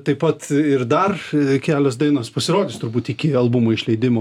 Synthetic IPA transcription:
t̪ɐɪpɐt̪ɪɾd̪ɐrkʲæːlʲoːsd̪ɐɪnoːspɐsʲɪɾoːd̪ʲɪst̪ʊɾbuːt̪ikʲɪɐlˠbʊmɐɪʃʲlʲɛɪd̪ʲɪmoː

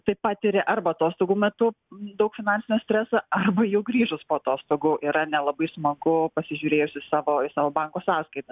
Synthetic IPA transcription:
t̪ɐɪpɑːt̪ʲɪɾʲeʔɐrbɐɐt̪oːst̪oːɡuːmʲɛt̪ʊ | d̪ɐʊkfʲɪnɑnʲsʲɪnʲɛsʲt̪ʲɾʲæsɑɐrbɐjɛʊɡɾʲiːʒʊspoːɐt̪oːst̪oːɡʊʔiɾɐnʲɛlˠɐbɐɪsmɐɡʊpɐsʲɪʒʲʊːɾʲeːjʊsʲɪsɑːʋoːɪsɑːʋoːbɐŋkoːsɑːskɐɪt̪ɐs

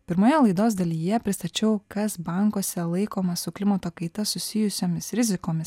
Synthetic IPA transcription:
pʲɪɾmoːjɛlˠɐɪd̪oːsd̪ɐlʲiːjɛpʲɾʲɪst̪ɐt͡ʃʲɛʊkɐsbɐŋkoːsʲɛlˠɐɪkoːmɐsʊklʲɪmɐt̪oːkɐɪt̪ɐsʊsʲɪjʊsʲoːmʲɪsɾʲɪzʲɪkoːmʲɪs

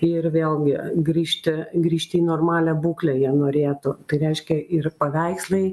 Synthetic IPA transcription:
ɪrʋʲeːlˠɡʲɪɡɾʲiːʃʲt̪ʲɪɡɾʲiːʃʲt̪ʲɪiːnoːrmɑːlʲɛbuːklʲɛjiɛnoːɾʲeːt̪ʊt̪ɐɪɾʲɛɪʃʲkʲɛɪrpɐʋʲæɪkslˠɐɪ

